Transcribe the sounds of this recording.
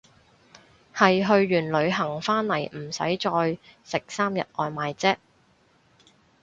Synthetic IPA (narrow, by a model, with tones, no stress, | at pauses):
hɐ˨jɦɵ˧ɥːyː˨˩nlɵ˨˧ɥɦɐ˨˩ŋfaː˥nlɐ˨˩jm̩˨˩sɐ̰˨˥jt͡ʃɔː˧jsɪ˨k̚saː˥mjɐ̰˨t̚ʔɔː˨˧jmaː˨jt͡sɛː˥k̚